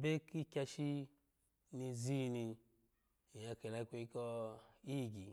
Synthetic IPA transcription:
be˦ki˦kʲa˧ʃi˦ | ni˧zi˦ni˧˨ | ja˨˧ke˨la˧˦kʷe˧i˦kɔ˦i˦˨ɡi˨

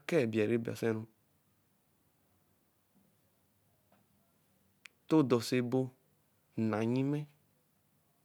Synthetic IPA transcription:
kɛ˦˨bi˨a˨ɾe˦ba̰˨sɛ˦nũ˦ | t̪o˦d̪ɔ˨se˦˨bo˦ | nã˨ɲĩ˦mɛ̃˦

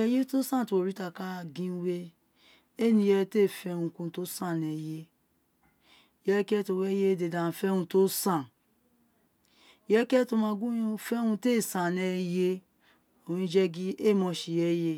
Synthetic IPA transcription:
ɛ˦je˦to˦sã˦˨to˨o˨ɾi˦ta˧ka˦˨ɡĩ˦we˦ | e˦˨nĩ˧je˧˦te˦˨fɛ˦˨hũ˧˦kũ˧˦to˦sã˦˨nɛ˨je˦ | jɛ˦kɛ˦to˧wɛ˦je˦˨de˨dã˨n̩˨fɛ˦hũ˧to˦sã˦˨ | jɛ˦kɛ˦to˧mã˧˦ɡũ˦fɛ˦hũ˧te˦˨sã˨nɛ˧je˦ | õ˨ĩ˦d͡ʒɛ˦ɡi˦e˦˨mɔ̃˧ʃi˨jɛ˦je˧

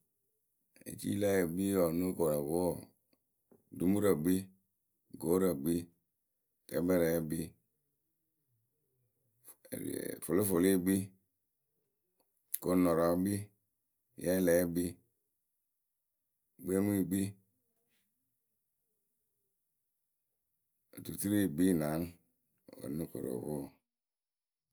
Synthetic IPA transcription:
ḛ˨t͡ʃḭ˦la˦je˨ɡ͡bi˦jɔ˨nu˦ko˨ɾa˨ko˦˨ | du˦mu˦ɾa˨ɡ͡bi˦ | ɡo˨˦ɾa˨ɡ͡bi˦ | tɛ˨˦bɛ˦ɾɛ˨˦bi˦˨ | fo˨lo˦fo˨li˦˨ɡ͡bi˦ | ko˨no˨ɾɔ˨˦bi˦ | jɛ˦lɛ˨˦bi˦ | ɡ͡be˦m˦i˦˨ɡ͡bi˦˨ | tu˨ti˦ɾi˦˨ɡ͡bi˦˨na˨˦n˨ | o̰˨nu˦ko̰˨ɾo̰˨wo˦˨

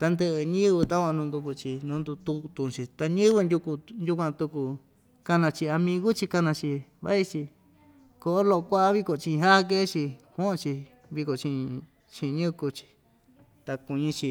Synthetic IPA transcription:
t̪a˧nd̪ɨ˧ʔɨ˧ɲĩ˦βɨ˧t̪a˦kʷã˧nũ˧nd̪u˧ku˧t͡ʃi˧nũ˧˦nd̪u˧t̪u˧t̪ũ˧t͡ʃi˧t̪a˧ɲĩ˦βɨ˧nd̪ʲu˧ku˧nju˦kʷã˧t̪u˧ku˧ | ka˧nã˧t͡ʃi˧a˧mĩ˧ɣu˦t͡ʃi˧ka˧nã˧t͡ʃi˧βa̰˦i˦t͡ʃi˧ | ko˧ʔo˦lo˧kʷa˦ʔa˦βi˦ko˨t͡ʃĩ˧ɦa˦˧k̬e˦t͡ʃi˧kũ˦õ˧t͡ʃi˧ | βi˧ko˨t͡ʃĩ˧ | t͡ʃĩ˧ɲũ˦˧ku˧t͡ʃi̥˧ | t̪a˧ku˧ɲĩ˧t͡ʃi˧

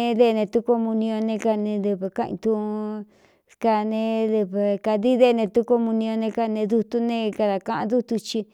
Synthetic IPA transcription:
ðe˦˧nẽ˧t̪u˦ko˧mũ˧nĩ˧õ˧nẽ˧ka˧nẽ˧ðe˧βe˧kã˦˧ʔḭ̃˧t̪ũ˦˧ | ka˧nẽ˧ðe˧βe˨ka˧ði˦ðe˦˨˧nẽ˧t̪u˦ko˧mũ˧nĩ˧õ˧nẽ˧ka˧nẽ˧ðu˧t̪u˦nẽ˦˧ka˧ða˨kã˧ʔã˧ðu˦t̪u˧t͡ʃi˧

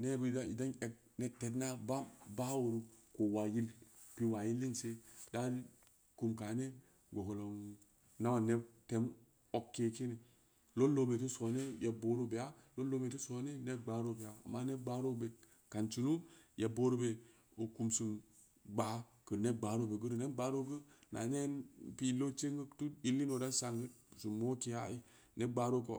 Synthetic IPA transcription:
ne˦bə˦˨da˦ḭ˨da˦ne˨k̚ | ne˦te˨tna˦ba˦ba˦wo˨ɾu˦ko˨wa˨ji˦l | pi˦wa˨ji˦lːi˦nse˦da˦ɾi˦ | ku˦mka˨˦ne˦ | ɡo˨ko˨lo˨˦u˦ | na˦wa˨ne˦b̚te˨m | o˦kːe˨ke˦ne˨ | lo˦lo˦be˨ti˦so˨˦ne˦je˨bo˦ɾo˦be˨a˦lo˦lo˦be˨tu˦so˨˦ne˦ne˦ɡ͡baː˨˦ɾo˦˨be˨a˨a̰˨mːa˦ne˦ɡ͡ba˦ɾo˦be˨ | ka˨nt͡ʃi˨nu˦je˨bo˦ɾo˦be˨ | o˨ku˨msɨ˨m | ɡ͡ba˨˦ | kə˨ne˦ɡ͡ba˨˦ɾo˦˨be˨ɡə˦ɾɨ˨ne˦ɡ͡baː˨˦ɾo˦ɡə˦na̰˨ne˦npi˦lo˦t͡ʃe˦ŋɡə˦tu˦i˦lːi˦no˨da˦sa˨ŋɡə˦˨su˨mːo˦ke˦ja˦˨i˦ | ne˦ɡ͡ba˨˦ɾo˦ko˨

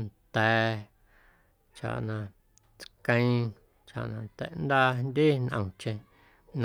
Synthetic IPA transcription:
nt̪ɛ˨˦ | t͡ʃa̰˨ʔnã˧ | t͡skã˧ĩ˦ | t͡ʃa̰˨ʔnã˧t̪ḛ˨nd̪a˦nd̪ʲi˦nʔə̰̃˧˨˧t͡ʃẽ˧ | n˧

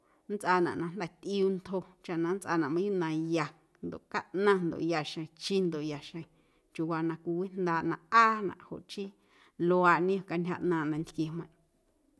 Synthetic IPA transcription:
nt͡sʔa˧˨nã̰˨ʔnã˧n̥d̪ɛ˨t̪ʔi˧u˧nt̪ho˧t͡ʃa˨nã˧nt͡sʔa̰˧nã˨ʔmã˧˦ju˦˨nã˧ja˧ | nd̪o̰˨ʔka˦ʔnã˦˧nd̪o̰˨ʔja˧ʃẽ˨t͡ʃi˦nd̪o˨ʔja˧˨ʃẽ˧˨ | t͡ʃu˧wa˧nã˧kʷi˧wi˦nd̪aː˧˨ʔnã˧aː˦nã̰˨ʔho̰˨ʔt͡ʃi˦ | lo˧a˧˨nĩ˦o˨ka˧ntʰʲja˧ʔnã˧˨nd̪ã˧nt̪ke˧hmã˧˨ʔ

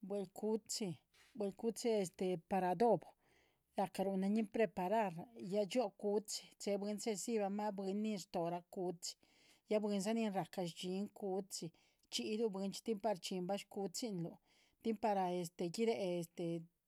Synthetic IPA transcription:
bwe˧lkʰu˦t͡si˧ | bwe˧lku˦t͡si˦e˧st̪e˨pa˧ɾa˧d̪o˦b | ɾa˨ka˧ɾu˧na˧ɲi˦pɾe˧pa˧ɾa˦˧ɾja˦t͡ʃo˦ku˧˦t͡si̥˧t͡se˧bwe˧˦nse˦˧si˦ba˧ma˦bwe˧nːi˧ɾt̪o˨ɾa˧ku˧t͡si̥˧ | ja˦bwe˧nsa˦ni˧nɾa˨ka˧ʃt͡ʃi˧˦ŋku˧˦t͡si˧˨ | t͡ʃi˧˦d̪u˦be˧˦nt͡ʃi̥˦t̪i˦mpa˧ɾt͡ʃi˧mba˦ʃku˧t͡si˦nlu˧ | t̪i˦mpa˧ɾa˧e˧˨st̪e˧ɡi˦ɾe˧e˧st̪e˨

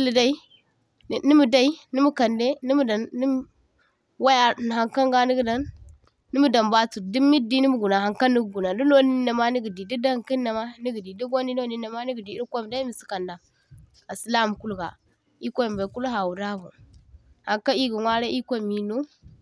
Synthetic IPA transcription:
i˦li˨da˦i˦˨ | ni˦mu˨da˦i˦ni˦mu˦ka˨nde˦ni˦m˦da˨˦ | wa˦ja˨n˨ɦa˨ŋka˦ŋɡa˦ni˦ɡda˦nː | i˦mu˦da˨mba˦t͡su˨di˦mi˦di˦ni˦mu˦ɡu˨na˨ha˨ŋka˦ni˦ɡɡu˨na˨du˦lo˦ni˦na˨ma˦ni˦ɡi˨di˨di˦da˦ŋki˦nːa˨ma˦ni˦ɡi˨di˨di˦ɡo˦ni˦no˦ni˦na˨ma˦ni˦ɡi˨di˨i˦ɾkʷa˦m˨da˦mi˨si̥˨ka˨nda˨ | a˨si˨la˦˨m˨ku˦lɡa̰˨ | i˦ka˦˨mba˨ku˦lɦa˨wu˨ɾa˦vṵ˨ | ha˨ŋka˦i˦ɡu˨ŋʷwa˦ɾa˦i˦kʷa˦˨mi˨no˦

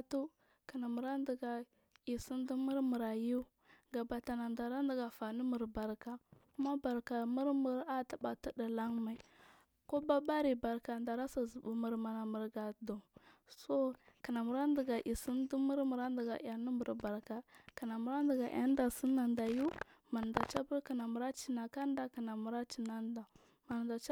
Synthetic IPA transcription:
tu˦ | ka˨na˨mu˨ɾa˦ndi˨ɡa˨ | i˨si˦ndi˦mu˦ɾmu˨ɾa˨ju˦ | ɡa˨ba˨ta˨na˨nda˨ɾa˦ndi˨ɡa˨fa˨ni˦mu˨ɾba˨ɾka˨ku˦ma˦ba˨ɾka˨mu˦ɾmu˨ɾa˦ta˨ba˨ta˦da˨la˦ŋma˨i˨ | ko˦ba˦ba˦ɾi˨ba˨ɾka˨nda˨ɾa˦sa˨zu˨bu˨mu˨ɾma˨na˨mə˨ɾɡa˨do˨so˦ka˨na˨mu˨ɾa˦ndi˨ɡa˨ʔi˨si˦n˦di˦mu˦ɾmu˨ɾa˦n˦di˨ɡa̰˨ʔa˨ni˦mu˨ɾba˨ɾka˨ka˨na˨mu˨ɾa˦ndi˨ɡa˨ʔa̰˦n˦da˨si˦nːa˨nda˨ju˦ | ma˨n˨da˨t͡ʃa˦bu˦ɾka˨na˨mu˨ɾa˦t͡ʃi˦na˨ka˦n˦da˦ka˨na˨mu˨ɾa˦t͡ʃi˨na˦n˦da˨ | ma˨n˨da˨t͡ʃ

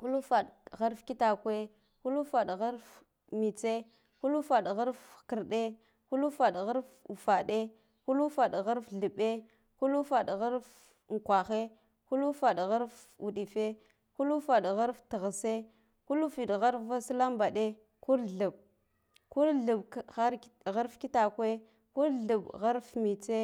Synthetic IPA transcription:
ku˦lu˦fa˨ɗɣa˦ɾfki˦ta˨kʷe˦ | ku˦lu˦fa˨ɗɣa˦ɾf | mi˨t͡se˦ | ku˦lu˦fa˨ɗɣa˦ɾfkə˨ɾɗe˦ | ku˦lu˦fa˨ɗɣa˦ɾfu˨fa˨ɗe˦ | ku˦lu˦fa˨ɗɣa˦ɾfɮə˨ɓe˦ | ku˦lu˦fa˨ɗɣa˦ɾf | ŋ˨kʷa˨xe˦ | ku˦lu˦fa˨ɗɣa˦ɾf | u˨ɗi˨fe˦ | ku˦lu˦fa˨ɗɣa˦ɾftə˨ɣa˨se˦ | ku˦lu˦fi˨ɗɣa˦ɾfva˦sla˦mba˨ɗe˦ | ku˦ɾɮu˨b̚ | ku˦ɾɮu˨bxa˦ɾɣa˦ɾfki˦ta˨kʷe˦ | ku˦ɾɮu˨ɓɣa˦ɾfmi˨t͡se˦

